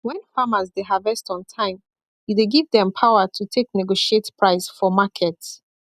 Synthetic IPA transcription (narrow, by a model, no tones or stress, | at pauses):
wɛ̃nfamazdeɦavɛstɔ̃ntʰãɪ̃m | jideɡivðɛ̃mpʰaʊətʰutʰeknɛɡoʃietpʰɹaɪsfɔmakʰɛts